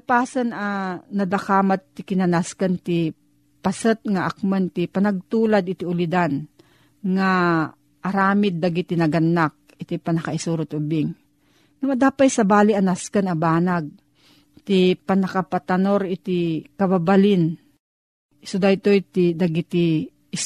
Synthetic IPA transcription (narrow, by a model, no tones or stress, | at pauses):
apaːsananɐd̪akaːmat̪ːɪkɪnɐnaskant̪ɪ | pɐsət̪̚ŋaʔakmant̪ɪpɐnɐɡ̚t̪uːlad̪ɪt̪ɪʊlɪd̪an | ŋa | ʔɐɾaːmɪd̪̚ːaɡɪt̪ɪnɐɡɐnːak̚ɪt̪ipɐnɐkaɪsuɾʊt̪ʔʊbɪŋ | nɐmɐd̪aːpajsɐbaːlɪʔɐnaskanɐbaːnaɡ̚ | t̪ɪpɐnɐkapat̪anoɾɪt̪ɪkɐbabalɪn | ɪsʊd̪ajt̪ojt̪ɪd̪aɡit̪ɪ